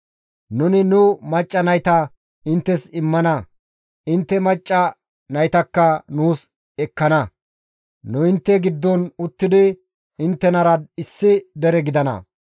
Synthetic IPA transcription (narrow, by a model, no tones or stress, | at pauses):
nʊnɪnʊmɐt͡ʃʼːɐnɐjt̪ɐ | ɪnt̪ːɛsɪmːɐnɐ | ɪnt̪ːɛmɐt͡ʃʼːɐ | nɐjt̪ɐkːɐnuːs | ɛkːɐnɐ | nʊɪnt̪ːɛɡɪd̪ːɔnʊt̪ːɪd̪ɪ | ɪnt̪ːɛnɐɾɐɪsːɪd̪ɛɾɛɡɪd̪ɐnɐ̰